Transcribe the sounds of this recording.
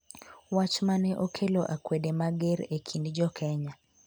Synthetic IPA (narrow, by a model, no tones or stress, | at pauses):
wat͡ʃmanɛʔɔkʰelɔʔakwɛɗɛmaɡɛɾekʰindid͡ʒɔkʰɛɲa